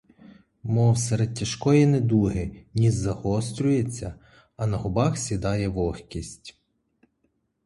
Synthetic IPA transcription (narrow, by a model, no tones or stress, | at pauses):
mɔwseɾed̪̚tʲɐʃkɔjɛnɛd̪uɦɪnʲizzɐhɔst̪ɾʲʊjet͡sʲːɐ | ɐnɐɦʊbɑxsʲid̪ɑjɛʋɔxkʲisʲtʲ